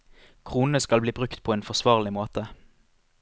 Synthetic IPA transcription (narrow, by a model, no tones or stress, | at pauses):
kʰʁuːn̩əskɑlbliːbʁʉkt̪pʰoːeːnfɔʁsʋɑːʁlɪmoːt̪ə